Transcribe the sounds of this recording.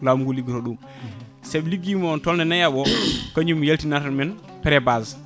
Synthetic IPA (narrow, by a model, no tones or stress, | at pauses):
lamɡuliɡɾoɗum | sɛbliɡimuɔntɔlnɛnajaɓɔkaɲumjeltinatmɛn | pɛɾɛbaz